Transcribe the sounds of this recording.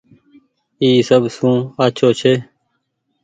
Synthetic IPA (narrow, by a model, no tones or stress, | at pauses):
iːsəbsũːaːt͡ʃʰoːt͡ʃʰeː